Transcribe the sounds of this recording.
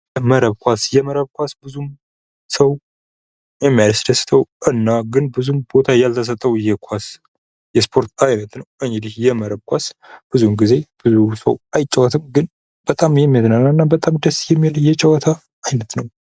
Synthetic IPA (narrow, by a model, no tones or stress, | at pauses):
jɛməɾəβkʷʰasjɛməɾəβkʷasbɨzum | səw | jɛmːijalsd̪əst̪ʰəwʔɨnːaɡɨnbɨzumbo̞t̪ʰajalt̪ʰəs̬ət̪ʼːəwjɛkʷʰas | jɛspʰo̞ɾt̪ʰajnət̪nəwɨŋɡɨd̪ihjɛməɾəβkʷʰasb̥ɨzumɡize̞b̥ɨzusəwajt͡ʃʼːəwɔt̪ʰɨmɡɨn | b̥ət̪ʼamjɛmːiat̪nanːaɨnːabət̪ʼamd̪əsjɛmːiljɛt͡ʃʼəwɔt̪ʰaː | jnət̪nəw